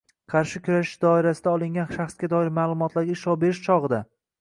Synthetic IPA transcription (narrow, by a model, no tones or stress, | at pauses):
qʰɑɾʃɪkʲʰʊɾaʃɪ̥ʃd̪ɒɪɾasɪd̪aɒlˠɪŋɡʲanʃaχsɡʲad̪ɒɪɾmaːlˠʊmɒt̪ʰlaɾɡʲaɪʃɒbe̞ɾɪʃt͡ʃʰɒʁɨd̪a